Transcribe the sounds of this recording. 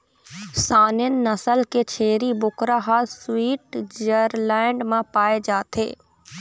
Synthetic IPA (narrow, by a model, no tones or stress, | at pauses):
saːnɪnnɐsəlket͡ʃʰeːɾibʊkɾaɦaːlswiːʈd͡ʒəɾlɛ̃ːɳɖmãpaːed͡ʒaːt̪ʰḛː